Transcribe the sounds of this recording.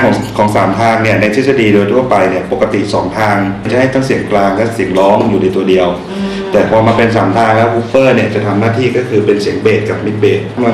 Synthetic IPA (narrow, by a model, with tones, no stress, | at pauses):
ɔː˩˦ŋkʰɔː˩˦ŋsaː˩˦mt̪ʰaː˧ŋni˥˩ɐna˧jt̪ʰi˦˥sa˧diː˧doː˧jt̪ʰu˥˩ɐpa˧jni˥˩ɐpo˨˩kːa˧t̪ḭ˨˩sɔː˩˦ŋt̪ʰaː˧ŋm˧˥˩t͡ɕa˨˩ha˥˩t̪ʰa˥˩ŋsi˩˦əŋklaː˧ŋlɛ˦˥˩si˨˩˦əŋlɔː˦˥ŋjuː˨˩na˧jt̪u˧ɐdi˧əw | t̪ɛː˨˩pʰɔː˧maː˧pe˧ns̬aː˩˦mt̪ʰaː˧ŋlɛ˦˥wkʰuː˦˥pːɤː˥˩ni˥˩ɐt͡ɕa˨˩t̪ʰa˧mnaː˥˩t̪ʰiː˥˩kɔː˥˩kʰɯː˧pe˧nsi˨˩˦əŋbeː˨˩t̪̚ka˨˩p̚mi˦˥t̪̚beː˨˩t̪̚kʰa˧mla˧